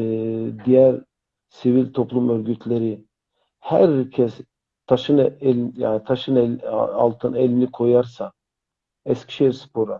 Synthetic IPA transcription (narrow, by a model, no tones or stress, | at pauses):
d̪ijæɾ | sivilʲt̪ʰo̞plˠumøɾɟyt̪ʰlʲeɾi | hæ̰ɾcʰɛs | t̪ʰaʃɯnlja̰ːnit̪ʰaʃɯnɛ̰a̰lˠt̪ʰɯnɛlʲnikʰo̞jaɾsa | ɛscʰʲi̥ʃejiɾspʰo̞ɾa